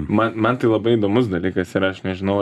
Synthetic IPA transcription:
mɐnmɐnt̪ɐɪlˠɐbɐɪid̪oːmʊs̬d̪ɐlʲiːkɐsɪɾɐʃnʲɛʒʲɪnɐʊ

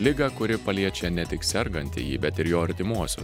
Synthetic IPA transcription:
lʲɪɡɐkʊɾʲɪpɐlʲiɛt͡ʃʲɛnʲɛt̪ʲɪksʲɛɾɡɐnʲt̪ʲɪ̰jiːbʲɛt̪ɪɾjoːɐɾʲt̪ʲɪmuɔsʲo̰ː

